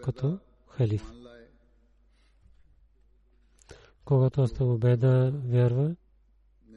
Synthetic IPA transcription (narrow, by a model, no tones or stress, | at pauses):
kɐt̪ʰɔ | xɐlif | koɡat̪oɔst̪ɐvobɛd̪əvʲjaɾvɐ